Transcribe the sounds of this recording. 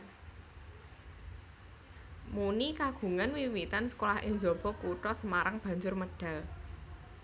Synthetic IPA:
munikaɡ̥ṳŋanwiwit̪ansə̥kolahʔɪ̰ŋd͡ʒɔb̥ɔ̤kuʈɔsəmaɾaŋb̥ä̤ɲd͡ʒʊrməɖ̥ä̤l

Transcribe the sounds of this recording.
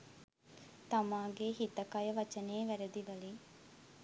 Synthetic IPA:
t̪ɐmaːɡeɦit̪ɐkɐjəʋɐt͡ʃɐneːʋæɾed̪iʋɐliŋ

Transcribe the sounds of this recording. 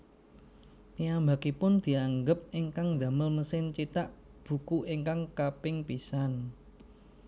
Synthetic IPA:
piambakipʊnd̪̥i̤aŋɡəp̚iŋkaŋd̪a̤məlməsɪnt͡ʃit̪aʔb̥ṳkuʔiŋkaŋkapɪŋpisan

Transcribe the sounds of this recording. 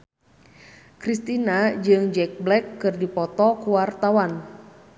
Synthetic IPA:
kɾist̪inad͡ʒɨŋd͡ʒɛk̚blɛkːɨrdipɔt̪ɔkuwart̪awan

